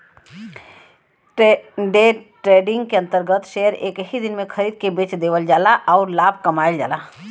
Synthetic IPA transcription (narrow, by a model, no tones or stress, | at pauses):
ɖeʈɾeːɖɪ̃ŋɡkeɐ̃nt̪əɾɡət̪ʃeːəɾḛːkɦid̪ɪnmẽkʰəɾiːd̪̚kebeːt͡ʃd̪eːʋəld͡ʒaːlaʔɔːɾlaːbʱkɐmaːɪld͡ʒa̰ːla